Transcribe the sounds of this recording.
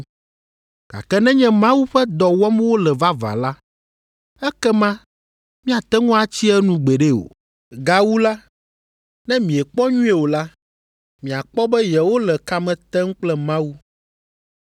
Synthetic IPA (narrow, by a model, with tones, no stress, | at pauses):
ɡ̥a̰˨kɛ˦nɛ̃˦ɲɛ̃˦mã˦wu˦ɸɛ˦d̪ɔ˨wɔ˦m˦wo˦lɛ˨va˦va̰˨la˦ | ɛ˦kɛ˦mã˦ | mĩ˦a˨t̪ɛ˦ŋɔ̃˦a˨t͡ɕi˦ɛ˦nũ˨ɡ͡be˨ɖe˦o̰˨ | ɡa˨wu˦la˦ | nɛ̃˦mĩ˨ɛ˨k͡pɔ˦ɲũ˦ɛ˨wo˨la˦ | mĩ˨a˨k͡pɔ˦bɛ˦jɛ˨wo˦lɛ˨ka˦mɛ̃˨t̪ɛ˦ŋ̩˦k͡plɛ˦mã˦wu˦